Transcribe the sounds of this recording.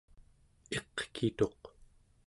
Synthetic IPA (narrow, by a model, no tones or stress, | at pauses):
e̞qkʰit̪o̞q